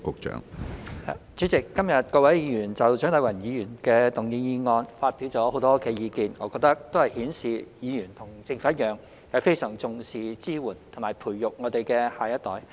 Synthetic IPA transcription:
kʊ˨k̚t͡ʃœ̰ː˨˥ŋha̰˨˩t͡syː˨˥t͡sɪ˨kːɐ˥mjɐ˨t̚kɔː˧wɐ˨˥jjiː˨˧jyː˨˩nt͡sɐ˨wt͡ʃœː˨˥ŋt̪ɐ˨˧wɐ˨˩njiː˨˧jyː˨˩nkɛː˧t̪ʊ˨ŋjiː˧jiː˧ŋɔː˧nfaː˧t̚pi˨˥wt͡sɔː˨˥ho˨˥wt̪ɔː˥kɛː˧jiː˨˧kiː˨˧nŋɔː˨˧kɔ˧k̚t̪ɐ˥k̚t̪o˥whɐ˨jhiː˨˥nsiː˨jiː˨˧jyː˨˩nt̪ʰʊ˨˩ŋt͡sɪ˧ŋfaː˧˥ɐ˥t̚jœː˨˧ŋ | jɐ˨˧wfe˥jsœː˨˩ŋt͡sʊ˨ŋsiː˨t͡siː˥wuː˨˩nt̪ʰʊ˨˩ŋmaː˨˩jpʰuː˨˩jjʊ˨k̚ŋɔː˨˧t̪e˨jkɛː˧haː˨˩jɐ˥t̪ɔː˨˥j

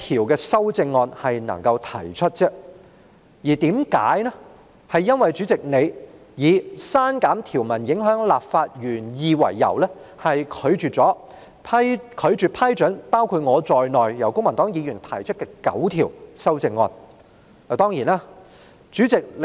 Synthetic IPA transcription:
t̪ʰiː˨˩wkɛː˧sɐ˥wt͡sɪ˧ŋːɔː˧nhɐ˨jnɐ̰˨˩ŋkɐ˧wt̪ʰɐ˨˩jt͡ʃʰɵ˥t̚t͡sɛː˥ | jiː˨˩t̪iː˨˥mka̰ː˨˥jnɛ˥ | hɐ˨jːɐ˥nwɐ˨jt͡ʃyː˨˥t͡sɪ˨k̚ne˨˧j | jiː˨˧saː˥nkaː˨˥mt̪ʰiː˨˩wmɐ˨˩njɪ˨˥ŋɦœː˨˥ŋlaː˨p̚faː˧t̚jyː˨˩njiː˨˧wɐ̰˨˩jːɐ̰˨˩wlɛ˥ | hɐ˨jkʰɵ˨˧ɥt͡ʃyː˨t͡sɔː˨˥ | pʰɐ˥kʰɵ˨˧ɥt͡ʃyː˨˩pʰɐ˥jt͡ʃɵ˨˥npaː˥wkʰu˧t̚ŋɔː˨˧t͡sɔː˨jnɔː˨jjɐ˨˩wkʊ˥ŋmɐ˨˩nt̪ɔː˨˥ŋjiː˨˧jyː˨˩nt̪ʰɐ˨˩jt͡ʃʰt̚kɛː˧kɐ̰˨˥wt̪ʰiː˨˩wsɐ˥wt͡sɪ˧ŋːɔː˧n | a˨˩t̪ɔː˥ŋjiː˨˩naː˥ | t͡ʃyː˨˥t͡sɪ˨k̚l

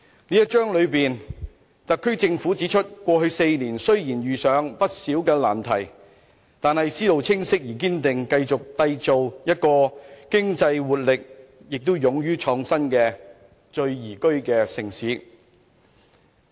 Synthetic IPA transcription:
niː˥jɐ˥t̚t͡ʃœː˥ŋlɵ˨˧ɥpiː˨n | t̪ɐ˨kʰːɵ˥ɥt͡sɪ˧ŋfu˨˥t͡siː˨˥t͡ʃʰɵ˥t̚kʷɔː˧hɵ˧ɥse˧jniː˨˩nsɵ˥ɥjiː˨˩njɥyː˨sœː˨˧˥ŋpɐ˥t̚siː˨˥wkɛː˧laː˨˩nt̪ʰɐ˨˩j | t̪aː˨nhɐ˨jsiː˥lo˨wt͡sʰɪ˥ŋsɪ˥k̚jiː˨˩kiː˥nt̪ɪ˨ŋkɐ˧jt͡sʊ˨k̚t̪ɐ˧jt͡so˨wjɐ˥t̚kɔː˧kɪ˥ŋt͡sɐ˧jwuː˨t̚lɪ˨k̚jɪ˨k̚t̪ʊ˥wjʊ˨˧ŋjyː˥t͡ʃʰɔː˧ŋsɐ˥nkɛː˧ | t͡ʃɵ˧ɥjiː˨˩kɵ˥ɥkɛː˧sɪ˨˩ŋsiː˨˥

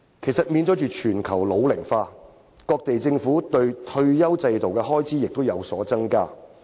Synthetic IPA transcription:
kʰe˨˩jsɐ˨t̚miː˨˧nt͡sɔ˨˥t͡ʃyː˨t͡ʃʰyː˨˩nkʰɐ˨˩wlo˨˧wlɪ˨˩ŋfaː˧ | kɔː˧k̚t̪e˨jt͡sɪ˧ŋfuː˨˥t̪ɵ˧ɥt̪ʰɵ˧ɥjɐ˥wt͡sɐ˧jt̪o˨wkɛː˧ɦɔː˥jt͡sʰiː˨˥jɪ˨k̚t̪o˥wjɐ˨˧wsɔ̰ː˨˥t͡sɐ˥ŋkaː˥

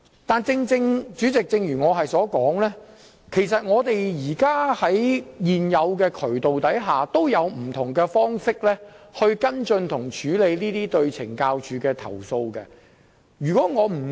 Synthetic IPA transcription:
t̪aː˨nt͡sɪ˧ŋt͡sɪ˧ŋt͡ʃyː˨˥t͡sɪ˨k̚t͡sɪ˧ŋjyː˨˩ŋɔː˨˧ɦɐ˨jsɔː˨˥kɔː˨˥ŋlɛː˥ | kʰe˨˩jsɐ˨t̚ŋɔː˨˧t̪e˨jjiː˨˩kaː˥hɐ˨˥jjiː˨njɐ˨˧wkɛː˧kʰɵ˨˩ɥt̪o˨wt̪ɐ˨˥jɦaː˨t̪o˥wjɐ˨˧wm̩˨˩t̪ʰʊ˨˩ŋkɛː˧fɔː˥ŋsɪ˥k̚lɛː˥hɵ˧ɥkɐ˥nt͡sɵ˧nt̪ʰʊ˨˩ŋt͡ʃʰyː˨˥le˨˧jniː˥t̪iː˥t̪ɵ˧ɥt͡sʰɪ̰˨˩ŋkaː˧wt͡ʃyː˨˥kɛː˧t̪ʰɐ̰˨˩wso˧wkɛ˧ | jyː˨˩kɔː˨˥ŋɔː˨˧m̩˨˩

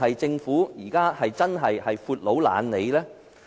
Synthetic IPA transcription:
ɦɐ˨jt͡sɪ˧ŋfuː˨˥jiː˨˩kaː˥hɐ˨jt͡sɐ˥nɦɐ˨jhɐ˨jfuː˧t̚lo˨˥wla̰ː˨˧˥nle˨˧jlɛː˥

